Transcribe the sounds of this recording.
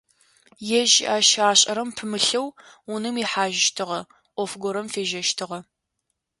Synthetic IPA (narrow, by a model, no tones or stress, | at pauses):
jɛʒaːʃaːɕʼɐɾɐmpʰɨmɨɬɐwʊnɨmiħaːʒɪʃtʰɨʁɐ | ʔʷɔfɡʷɔɾɐmfeːʒɐʃtʰɨʁɐ